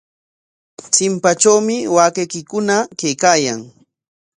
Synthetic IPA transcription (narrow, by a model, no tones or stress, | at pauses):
t͡sɪmpat͡ʃawmɪwaːkejkɪkʊnakejkaːjaŋ